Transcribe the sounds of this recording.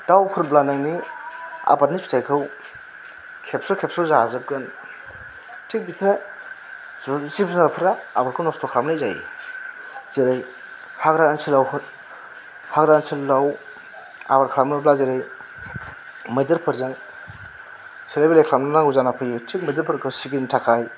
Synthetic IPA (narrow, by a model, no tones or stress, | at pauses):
dawkʰuɾblanaŋni | a̰bat̚nipʰi̥tʰajkʰɯw | kʰep̚sɔkʰepsɔzazɯp̚ɡɐn | tʰik̚bitʰɾe | zzipzunaɾpʰɯɾaːbaɾkʰɯwnɔstɔkʰɾamnajzaj | zeɾaj | haɡɾaansʰilawhɯt | haɡɾaant͡ʃʰillaw | a̰baɾkʰlamnɯblazeɾaj | mɯjdɯɾpʰɯɾzaŋ | siɾajbelejkʰlamnanaŋɡuzanapʰɯjutʰik̚mɐdɯɾpʰɯɾkʰɯwsiɡintʰakʰaj